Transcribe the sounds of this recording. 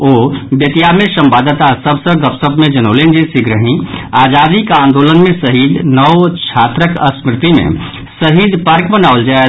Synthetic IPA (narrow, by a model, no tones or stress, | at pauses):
oːbjət̪ijamesə̃mpad̪t̪asəbʱsə̃ɡəpsəbʱmẽd͡ʒənolend͡ʒesiɡɾəɦĩaːd͡ʒad̪ikãːnd̪olənmẽsəɦid̪nəwt͡ʃʰat̪ɾəkə̰smɾɪt̪imḛ̃ | səɦid̪ʱpəɾkbənaʊld͡ʒae